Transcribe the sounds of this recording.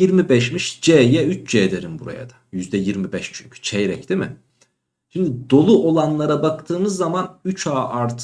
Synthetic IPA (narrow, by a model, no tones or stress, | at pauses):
iɾmibɛʃmiʃd͡ʒɛjɛyt͡ʃd͡ʒeːd̪eɾimbuɾa̰ja̰d̪ajyzd̪ɛjiɾmibɛʃt͡ʃʰyɲcʰy̥t͡ʃʰɛjɾɛcd̪̥imɪ | ʃimd̪id̪o̞lˠuʔo̞lˠanlˠaɾabakt̪ʰɯːmɯzːamanyt͡ʃaːʔaɾt̪ʰ